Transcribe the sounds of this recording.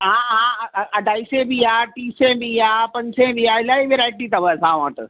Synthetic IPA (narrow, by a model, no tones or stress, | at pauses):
ɦãɦãɐɖʱaːisẽbiaʈiːsẽbijapɐ̃ɲsẽbijaɪlaːiʋeɾaːɪʈit̪ɐʋəsãʋã̰ʈ̪ə̰